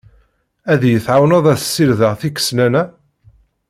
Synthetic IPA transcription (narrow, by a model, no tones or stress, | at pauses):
æðjəθʕawnɑðˤæθsːilðəʁθikːə̥snænæ